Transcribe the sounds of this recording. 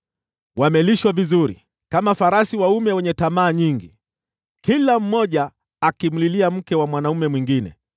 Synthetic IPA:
wamɛliʃwavizuɾḭ | kamafaɾasiwaumɛwɛɲɛtamaːɲiŋɡi | kilam̩mɔʄaː | kim̩liliam̩kɛwamwanaumɛmwiŋɡinɛ̰

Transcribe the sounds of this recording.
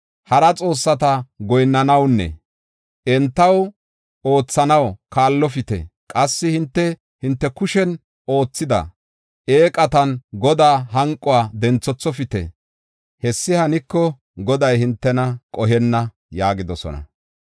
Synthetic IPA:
hɐɾɐt͡sʼo̞ːsːɐt̪ɐɡɔjnːɐnɐwnːɛ̰ | ʔɛnt̪ːɐw | o̞ːt͡sːɐnɐwkaːlːɔfɪt̪ɛ̰kʼɐsːɪhɪnt̪ːɛ | hɪnt̪ːɛkʊʃɛn | o̞ːt͡sːɪd̪ɐ̰ | ʔeːkʼɐt̪ɐnɡɔd̪aːɦɐŋkʼːɔwaːd̪ɛnt͡sːɔt͡sːɔfɪt̪ɛ̰ | hɛsːɪhɐnɪkːɔ | ɡɔd̪ɐjhɪnt̪ːɛnɐkʼɔɦɛnːɐ | jaːɡɪd̪ɔsɔ̰nɐ̰

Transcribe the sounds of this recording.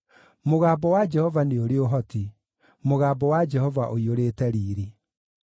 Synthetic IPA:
moɣaːbɔwad͡ʒɛhɔvaneoɾeoɦɔti | moɣaːbɔwad͡ʒɛhɔvaʔoioɾeːtɛɾiːɾe

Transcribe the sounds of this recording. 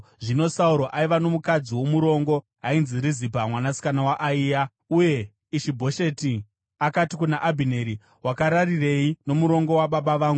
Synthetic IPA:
ʐino̞sauɾoʔaiʋano̞mukad͡ziwo̞muɾo̞ŋɡo̞ | ɦainziɾizibʱamwanasi̥kanawaʔːiːja | uje̞ | iʃibʱo̞ʃe̞ti | akatikunaʔabʱine̞ɾi | wakaɾarire̞ino̞muɾo̞ŋɡo̞waɓaɓaʋaːŋɡu

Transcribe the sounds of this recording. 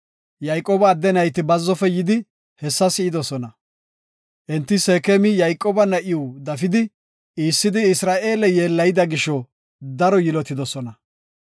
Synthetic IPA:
jɐjkʼːoːbɐːd̪ːɛnɐjt̪ɪbɐzːɔfɛjɪd̪ɪ | hɛsːɐsɪɪd̪ɔsɔnɐ | ʔɛnt̪ːɪseːkemɪjɐjkʼoːbɐnɐʔɪjud̪ɐfɪd̪ɪ | iːsːɪd̪ɪɪsɾaːʔe̞ːlɛje̞ːlːɐjɪd̪ɐɡɪʃɔ | d̪ɐɾɔjɪlɔt̪ːɪd̪ɔsɔnɐ

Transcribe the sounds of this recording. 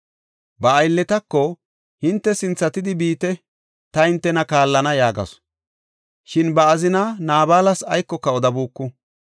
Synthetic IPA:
bɐːjlːɛt̪ɐkːɔ | hɪnt̪ːɛsɪnt͡sːɐt̪ɪd̪ɪbiːt̪ɛ | t̪ɐhɪnt̪ːɛnɐkaːlːɐnɐjaːɡɐ̰s | ʃɪnbɐːzɪnɐnaːbaːlɐsɐjkːɔkːɐɔd̪ɐbuːkːʊ

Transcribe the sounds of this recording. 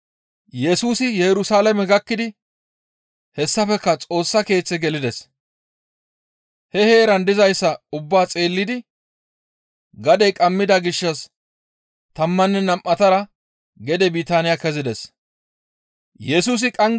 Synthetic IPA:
jɛsuːsɪjɛɾʊsaːlɐmɛɡɐkːɪd̪ɪ | hɛsːɐfɛkːɐt͡sʼo̞ːsːɐke̞ːt͡sːɛɡɛlɪd̪ɛs | hɛhe̞ːɾɐnd̪ɪzɐjsːɐʊbːaːt͡sʼe̞ːlːɪd̪ɪ | ɡɐd̪ɛjkʼɐmːɪd̪ɐɡɪʃːɐs | t̪ɐmːɐnːɛnɐmʔɐt̪ɐɾɐ | ɡɛd̪ɛbiːt̪aːnɪjakɛzɪd̪ɛs | jɛsuːs̬ɪkʼɐŋ

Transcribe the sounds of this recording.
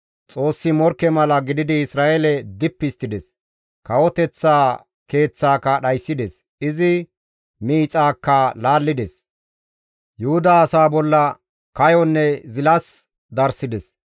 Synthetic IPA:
t͡sʼo̞ːsːɪmɔɾkːɛmɐlɐɡɪd̪ɪd̪ɪɪsɾaːʔelɛd̪ɪpːɪst̪ːɪd̪ɛs | kɐwɔt̪ɛt͡sːaː | ke̞ːt͡sːaːkːɐɗɐjsːɪd̪ɛs | ɪzɪ | miːt͡sʼaːkːɐlaːlːɪd̪ɛs | jʊhʊd̪aːsaːbɔlːɐ | kɐjɔnːɛzɪlɐs | d̪ɐɾsɪd̪ɛs

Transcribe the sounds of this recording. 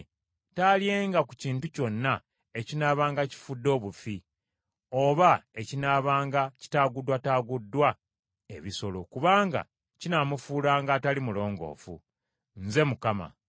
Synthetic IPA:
talje̞ːŋɡaku̥ciːntuco̞nːa | e̞cinaːβaːŋɡaci̥fudːo̞ːβufi | oβae̞cinaːβaːŋɡaci̥taːɡudwataːɡudːwa | e̞̰βiso̞lo̞kuβaːŋɡa̰ | cinamufuːlaːŋɡaːtalimulo̞ːŋɡo̞̰ːfṵ | nze̞mukama̰

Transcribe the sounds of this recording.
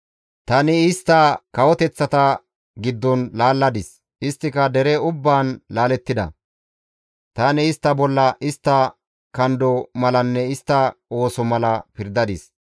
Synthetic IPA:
t̪ɐnɪɪst̪ːɐkɐwɔt̪ɛt͡sːɐt̪ɐ | ɡɪd̪ːɔnlaːlːɐd̪ɪs | ɪst̪ːɪkɐd̪ɛɾɛʊbːaːnlaːlɛt̪ːɪd̪ɐ̰ | t̪ɐnɪːst̪ːɐbɔlːɐʔɪst̪ːɐ | kɐnd̪ɔmɐlɐnːɛɪst̪ːɐo̞ːsɔmɐlɐpɪɾd̪ɐd̪ɪs

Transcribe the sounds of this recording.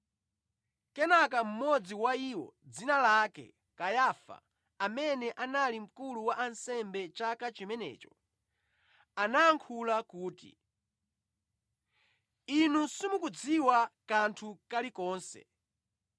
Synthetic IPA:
kɛnakam̩mɔd͡ziwaiːwɔ̰d͡zinalakɛ̰ | kajafa̰ | amɛnɛʔanalim̩kuluwaʔansɛmbɛt͡ʃakat͡ʃimɛnɛ̰ːt͡ʃɔ | anaːŋkʰulakuːtḭ | inusimukud͡ziwakantʰukalikɔːnsɛ̰

